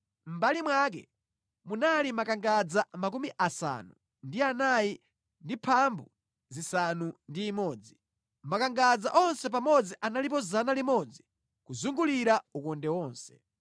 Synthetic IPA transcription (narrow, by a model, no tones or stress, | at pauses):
m̩balimwak̬ɛ̰ | munalimakaŋɡad͡zamak̬umiʔasa̰nu | ndianaji | ndipʰambu | zisanundiːmɔːd͡zi | makaŋɡad͡zaʔɔnsɛp̬amɔd͡ziʔanalip̬ɔzanalimɔd͡zi | kuzuŋɡuliɾaukɔndɛwɔːnsɛ̥